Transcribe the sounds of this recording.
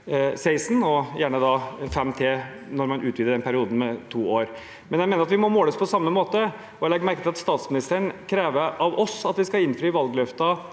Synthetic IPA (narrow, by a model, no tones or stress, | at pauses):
sæɪsn̩ɔjæːɳəd̪ɑfɛmːt̪ʰeː | nɔɾmɑnʔʉːʋiːd̪əɖɛnpʰæɾɪuːd̪n̩mɛt̪ʰuːoːɾ | mɛnjæɪeːnəɾɑt̪ʋɪmɔmoːləɔspʰɔsɑmːəmoːt̪ə | ɔɛlɛɡ̪mæɾkət̪ɪlɑt̪st̪ɑːt̪smɪnɪst̪əɳkʰɾeːʋəɑʋɔsɑt̪ʋɪskɑɪnːfɾyːʋɑlɡlœft̪ɑ